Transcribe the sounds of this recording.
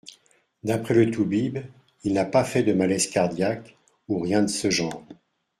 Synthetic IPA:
d̪apχɛlət̪ubib | ilnapafɛd̪əmalɛzkaʁd̪jak | uʁjɛ̃d̪əsəʒɑ̃ːʁ

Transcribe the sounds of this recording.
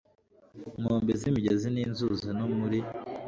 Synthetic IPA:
moːmbezimiɟeziniːnzuzinomuɾi

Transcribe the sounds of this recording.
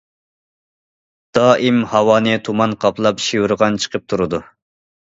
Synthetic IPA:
d̪̥ɑːʔimhɑwɑːnɨt̪ʰumɑnqʰɑplˠɑpʃiwuɾʁɑnt͡ʃʰə̥qʰəp̚t̪ʰuɾɨd̪u

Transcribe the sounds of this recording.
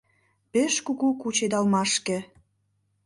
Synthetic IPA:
peʃkuɣukut͡ɕed̪ɑlmɑʃkĕ

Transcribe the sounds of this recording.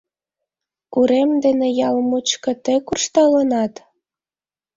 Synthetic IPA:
kuɾemd̪enejɑlmut͡ɕkɤ̆t̪ekurʃt̪ɑlənɑt̪

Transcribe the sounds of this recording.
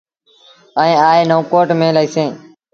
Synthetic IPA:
əẽːaːeːnõːkoːʈmẽːləiːsẽː

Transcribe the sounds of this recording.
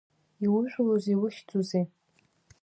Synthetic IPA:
iwʊʒʷᶣloziwʊʃt͡sʼuzej

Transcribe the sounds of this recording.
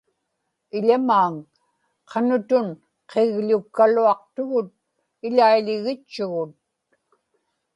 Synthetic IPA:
ɪʎamaːŋ | qʰɑnʊt̪ʊn | qʰeɣʎʊkːaluɑq̚t̪ʊɣʊt̪̚ | ɪʎaiʎɪɣɪt͡ʃːʊɣʊt̪̚

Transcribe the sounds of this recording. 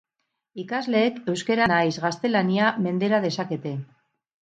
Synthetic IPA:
ikazle̞ːke̞wskeɾanajzɣast̪e̞laniame̞nd̪e̞ɾað̞e̞sake̞t̪e̞

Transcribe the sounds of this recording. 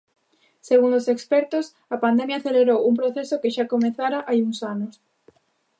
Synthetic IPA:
seɣ̞uŋosekspɛɾt̪os | ɐpand̪emjaθeleβɾowump̬ɾoθesokeʃakomẽθaɾaʔajuŋsanos

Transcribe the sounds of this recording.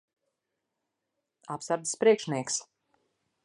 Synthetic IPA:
apsaɾd̪spɾiɛkʃniɛks

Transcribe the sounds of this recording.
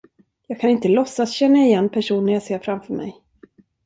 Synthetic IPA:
jɑːɡ̚kʰanɪnt̪əlɔsːasɕɛnːaɪjɛnːpʰæʂuːnəjɑːɡseːɾfɾamfœɾmɛ̰j

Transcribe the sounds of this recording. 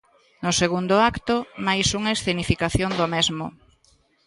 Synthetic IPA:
nʊseɣund̪ʊakt̪omajsuŋaesθenifikaθjond̪omezmʊ̰

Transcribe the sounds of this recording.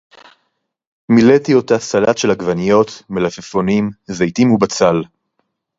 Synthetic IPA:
miletio̞tasalatʃelhaɡvanijo̞t̪melafefonimzajtimubat͡sal

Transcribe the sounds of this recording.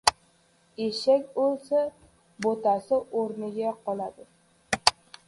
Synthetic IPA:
eʃakʲbolˠsa | bot̪asɪʔoɾnɪɡʲaqɒlˠad̪ɪ

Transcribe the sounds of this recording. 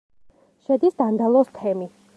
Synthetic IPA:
ʃɛd̪isd̪and̪alˠɔst̪ʰɛmi

